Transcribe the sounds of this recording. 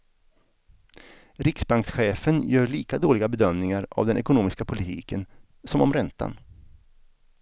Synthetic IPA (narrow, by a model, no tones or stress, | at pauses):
ɾɪksbaŋksɧeːfənjœːɭiːkad̪oːlɪɡabɛd̪œmnɪŋaɾa̰vd̪ɛnɛkʊnuːmɪskapʰʊlɪt̪ʰḭːkən | sɔmɔmɾɛnt̪a̰n